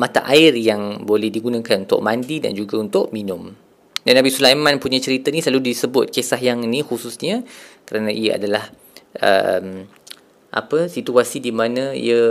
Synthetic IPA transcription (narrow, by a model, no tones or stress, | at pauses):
mat̪a̰ʔaɪrjaŋbolɛhdiɡunãkanunt̪ʊ̰ʔ̚mandida̰nd͡ʒuɡaunt̪ʊʔminʊ̃m | danːabisulajmãnpuɲat͡ʃəɾit̪ənisəlaludisəbʊt̪̚kesaɦjaŋinixususɲakəɾanãʔijaa̰dalah | ʔə̰m | ʔa̰pəsit̪uasidimanãḭə